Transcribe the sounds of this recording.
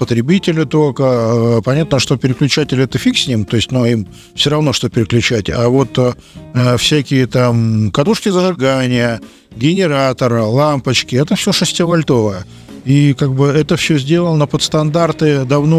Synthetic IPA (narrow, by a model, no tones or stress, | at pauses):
pət̪ɾʲɪbʲitʲɪlʲɪt̪okəpɐnʲat̪nəʂt̪o̞pʲɪɾʲɪklʲʉt͡ɕætʲɪlʲɪɛt̪əfʲiksʲnʲimt̪o̞ɪsʲtʲnuim | fsʲoɾɐvno̞ʂt̪o̞pʲɪɾʲɪklʲʉt͡ɕætʲa̰vo̞t̪ | fsʲækʲɪjət̪amkɐt̪uʂkʲɪzənɨrɡanʲɪjə | ɡʲɪnʲɪɾat̪ərlˠampət͡ɕkʲɪɛt̪əfsʲoʂɨsʲtʲɪvɐlʲt̪o̞vəjə | ikaɡ̚bɨɛt̪əfsʲɵzʲdʲe̞lˠəlˠnəpət̪st̪ɐnd̪art̪ɨd̪ɐvno